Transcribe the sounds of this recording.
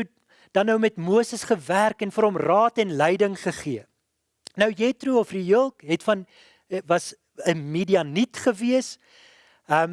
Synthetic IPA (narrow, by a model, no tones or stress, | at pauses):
ut̚ | d̥ɐnːəwmɛtmuəsəsχəværkɛnfəɾɦɔmrɑːtɛnlɛjdəŋχəχiə | nəwjɛtruɔfrijəlˠkɦɛtfɐn | vɐs | əmidiɐnitχəviəs | əm